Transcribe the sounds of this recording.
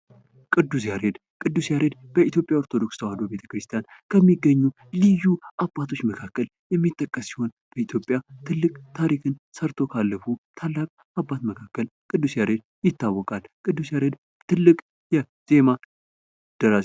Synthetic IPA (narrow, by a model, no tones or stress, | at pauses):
kʼɨd̪ːusjaɾe̞d̪ | kʼɨd̪ːusjaɾe̞d̪b̥əʔit̪ʰjo̞pʼjaoɾt̪ʰo̞d̪o̞kst̪ʰəwad̪obe̞t̪ʰə̥kɾɨst̪ʰijankʰəmːiɡːəɲːu | lijːuʔabːat̪ʰo̞t͡ʃːməkʰakːəl | jɛmːit̪ʼːəkʼːəsːiho̞n | b̥əit̪ʰjo̞pʼːjat̪ʰɨlːɨkʼt̪ʰaɾikʰɨnsəɾt̪ʰo̞kʰalːəfut̪ʰalːakʼ | abːat̪məkʰakːəlkʼɨd̪ːusjaɾe̞d̪ | jɪt̪ʰːawːɔkʼalkʼɨd̪ːusjaɾe̞d̪ | t̪ʰɨlːɨkʼ | jɛ | z̥e̞ma | d̪̥əɾa